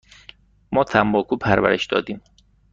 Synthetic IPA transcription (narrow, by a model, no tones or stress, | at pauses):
mɒːt̪ʰæmbɒːkʰuːpʰæɾvæ̰ɾḛʃd̪ɒ̰ːd̪iːm